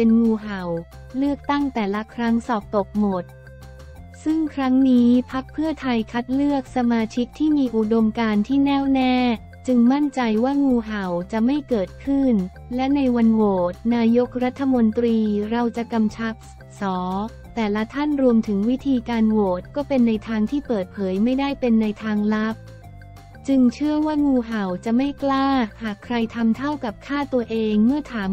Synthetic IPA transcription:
pe˧nŋuː˧ɦa˨˩w | lɯ˥˩ək̚t̪a˥˩ŋt̪ɛː˨˩la˦˥kʰɾa˦˥ŋsɔː˨˩p̚t̪o˨˩k̚mo˨˩t̪̚ | sɯ˥˩ŋkʰɾa˦˥ŋniː˦˥pʰa˦˥k̚pʰɯ˥˩ɐt̪ʰa˧jkʰa˦˥t̪̚lɯ˥˩ək̚sa˧maː˧t͡ɕʰi˦˥k̚t̪ʰiː˥˩miː˧ʔu˨˩do˧mkaː˧nt̪ʰiː˥˩nɛː˥˩wnɛː˥˩ | t͡ɕɯ˧ŋma˥˩nt͡ɕa˧jwaː˥˩ŋuː˧ɦa˨˩wt͡ɕa˨˩ma˥˩jkɤː˨˩t̪̚kʰɯ˥˩n | lɛ˦˥na˧jwa˧nwoː˨˩t̪̚naː˧jo˦˥k̚ɾa˦˥t̪ʰːa˧mo˧nt̪ɾiː˧ɾa˧wt͡ɕa˨˩ka˧mt͡ɕʰa˦˥p̚ | sɔː˩˦ | t̪ɛː˨˩la˦˥t̪ʰa˥˩nɾu˧əmt̪ʰɯ˩˦ŋwi˦˥t̪ʰiː˧kaː˧nwoː˨˩t̪̚kɔː˥˩pe˧nːa˧jt̪ʰaː˧ŋt̪ʰiː˥˩pɤː˨˩t̪̚pʰɤː˩˦jma˥˩jda˥˩jpe˧nːa˧jt̪ʰaː˧ŋla˦˥p̚ | t͡ɕɯ˧ŋt͡ɕʰɯ˥˩əwaː˥˩ŋuː˧ɦa˨˩wt͡ɕa˨˩ma˥˩jklaː˥˩haː˨˩kʰɾa˧jt̪ʰa˧mt̪ʰa˥˩wka˨˩p̚kʰaː˥˩t̪u˧ɐəʔeː˧ŋmɯ˥˩ɐt̪ʰaː˩˦m

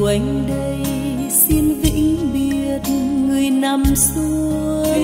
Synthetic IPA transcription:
ʔa˨˦jŋ̟ɗə˧jsi˧nvḭ˧˥ɓi˨˩ət̚ŋɨ˨˩əjna˨˩msu˧ə

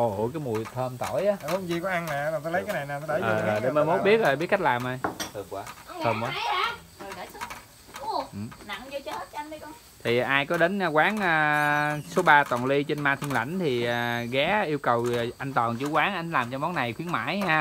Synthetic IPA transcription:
ʔo˨˩ʔo˧˩kaː˨˦jmu˨˩əjt̪ʰəː˧mt̪o˧˩jʔaː˨˦˨mo˨˦zi˧kɔ˨˦ʔa˧ŋnɛ˧˨˦a˨˩t̪ɔ˨˦lə˨˦jkːjna˨˩jna˨˩t̪ɔ˨˦ɗə˨˦əː˨˩˨ʔəː˨˩jɗe˨˧˦məː˨mo˨˦˥ɓi˦˥ət̚ʔəː˨˩ɓi˦˥ət̚ka˦˥k̚laː˨˩mʔaː˧˩jɨ˨˩k̚kwaː˨˦əː˧mkwaː˨˦ | o˨˩ɗa˧˨˩ | ʔɨ˨˩na̰˧˨ŋzo˧t͡ɕə˨˦t̚nɗi˧kɔ˧˦ | t̪ʰi˨˩ʔaː˧jkɔ˨˦ɗe˨˦nː˧kwaː˨˦nəː˧˩so˨˦ɓaː˧t̪wɔ˨˩nli˧t͡ɕe˧nmaː˧t̪ʰi˧əŋla̰˧˩jŋ̟t̪ʰi˨˩əː˨˩ɣɛ˨˦ʔi˧əwkə˨˩wʔa˧jŋt̪ɔː˨˩nt͡ɕu˧˦kwaː˨˦ŋʔa˧jŋlaː˨˩mt͡ɕɔ˧mɔ˨˦nna˨˩jxwi˨˦ənma̰ː˧˥˨jhaː˧

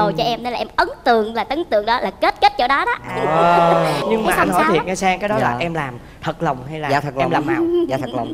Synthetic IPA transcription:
o˨˩jt͡ɕɔ˧ʔɛ˧mne˧nlaː˨ʔɛ˧mʔə˨˦nt̪ɨ˨əŋlaː˨˩t̪ə˨˦ŋt̪ɨ̰˨˧˨əŋɗɔ˨˦laː˨˩ke˦˥t̚ke˦˥t̚t͡ɕɔ˧ɗɔ˨˦ɗɔ˨˦ə˨ɲɨ˧ŋmaː˨˩ʔa˧nhɔ˨˦t̪ʰḭ˨˩ənŋaː˧jsaː˧ŋkaː˨˦ɗɔ˨˦laː˨˩ʔɛ˧mlaː˨˩m | t̪ʰə˨˩t̚lə˨˩wŋ͡mɦa˧jlaː˨˩ə˨˩k̚ɛ˧mlaː˨˩mnaː˨˩a˨t̪ʰə˩lwŋ͡m

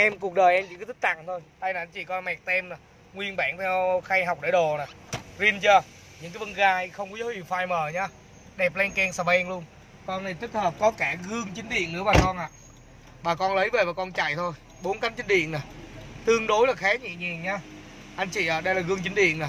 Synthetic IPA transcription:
ʔɛ˧mku˨˩k̚ɗəː˨˩jʔɛ˧mt͡ɕḭ˧˩kːt̪̚ʰt̪a̰˧˨ŋt̪ʰo˧jɗ̪a˧jnaː˨˩ʔa˧n̟t͡ɕḭ˧˨kɔ˨˧nmɛ˨˩k̚t̪ɛ˧mna˨˩ | ŋwi˧ənɓaː˧˩nt̪ʰɛ˧wxa˧jɦa˨˩wk͡p̚ɗə˧˩ɗo˨˩naː˨˩zi˧ənt͡ɕə˧˩ | ɲɨ̰˧˥ŋkaː˨˦jvə˧nɣaː˧jxə˧wŋ͡mkɔ˨˦zo˨˦hi˨˩wfaː˧jməː˨˩ɲaː˨˧ | ɗɛ˨˩p̚lɛ˧ŋkɛ˧nsaː˧˩ɓɛ˧ŋlu˧ən | kɔ˧na˨˩t̪i˦˥t̚həː˨˩p̚kɔ˨˦kaː˧˩ɣɨ˧əŋt͡ɕï˨˦ŋ̟ɗḭ˧˨ənːɨ̰˧˥əɓaː˨˩kɔ˧nʔa̰ː˧˨ | ɓaː˨˩kɔ˧nlə˨˦jve˨˩vaː˨˩kɔ˧nt͡ɕa̰˧˨jt̪ʰo˧j | ɓo˨˦nka˨˦ŋt͡ɕi̟˨˦ɗḭ˧˨ənaː˨˩t̪ɨ˧əŋɗo˨˦jlaː˨˩xaː˨˦˥ɲḭ˧˨ɲɛ˨˩ŋɲaː˧ | ʔa˧jŋ̟t͡ɕḭ˧˨ʔaː˨˩ɗə˧jlaː˨˩ɣɨ˧əŋt͡ɕï˨˦ŋ̟ɗḭ˧˨ənnaː˨˩

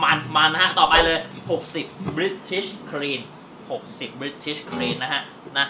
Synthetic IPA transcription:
maː˧nmaː˧nː˦˥kʰa˦˥t̪ɔː˨˩pa˧jlɤː˧jho˨˩k̚si˨˩p̚bɾi˦˥t̪ʰːi˦˥skʰɾiː˧n | ho˨˩k̚si˨˩p̚bɾi˦˥t̪ʰi˦˥˩skʰɾiː˧nːa˦˥kʰa˦˥ʔ | na˦˥

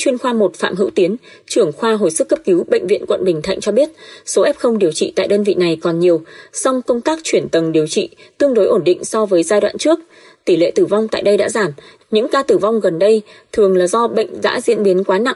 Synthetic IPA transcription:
t͡ɕwi˧ənxwaː˧mo˨˩t̚fa̰ː˧˨mɦɨ̰˧˥wt̪i˨˦ən | t͡ɕɨ˧˩əŋxwaː˧ɦo̰˧˩jsɨ˦˥kːə˦˥p̚ki˨˦wɓə̰˧˨ŋ̟vḭ˧ənkwə̰˧˨nɓï˨˩ŋ̟t̪ʰa̰˧˨jŋ̟t͡ɕɔ˧ɓi˦˥ət̚so˨˦ʔɛ˦˥p̚xə˧wŋ͡mɗi˨˩əwt͡ɕḭ˧˨t̪a̰ː˧˨jɗəː˧nvḭ˧˨na˨˩jkɔ˨˩nɲi˨˩əwsɔ˧wŋ͡mkə˧wŋ͡mt̪aː˦˥k̚t͡ɕwi˧˩ənt̪ə˨˩nɗi˨˩əwt͡ɕḭ˧˨t̪ɨ˧əŋɗo˨˦jʔo˧˩nɗḭ˧˨ŋ̟sɔ˧vəː˨˦jzaː˧jɗwa̰ː˧˨nt͡ɕɨ˦˥ək̚ | t̪i˧˩lḛ˧˨t̪ɨ˧˩va˧wŋ͡mt̪a̰ː˧˨jɗə˧jɗa̰ː˧˥zaː˧˩m | ɲɨ̰˧˥ŋkaː˧t̪ɨ˧˩va˧wŋ͡mɣə˨˩nɗə˧j | t̪ʰɨ˨˩əŋlaː˨˩zɔ˧ɓə̰˧˨ŋ̟za̰ː˧˥zḭ˧˥ənɓi˨˦ənkwaː˨˦na̰˧˨ŋ

